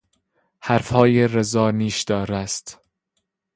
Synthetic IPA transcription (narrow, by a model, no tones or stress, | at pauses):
hæɾfhɒːjeɾezɒːniːʃd̪̥ɒːɾæst̪